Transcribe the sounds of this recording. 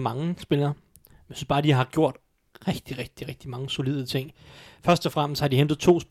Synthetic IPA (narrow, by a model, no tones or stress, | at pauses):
mɑ̈ŋəsb̥elɐː | jjsyːsb̥ɑ̈ːd̥iɑ̈ɡ̥jo̝ɐ̰d̥ | ʁɛɡ̥d̥iʁɛɡ̥̚d̥iʁɛɡ̥̚d̥imɑ̈ŋəso̝lið̰ˠət͡sʰeŋ̰fɶɐsd̥ɒfʁam̰sd̥hɑ̈d̥ihend̥ð̞̩ˠt͡sʰo̝̰ːsb